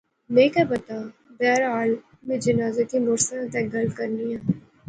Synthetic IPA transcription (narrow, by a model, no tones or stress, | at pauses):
neːkɛbɐt̪aːbɛːɾaːl | mẽd͡ʒənaːzet̪ʰimʊɾsənət̪ɛ̃ɡɐlkəɾnijãː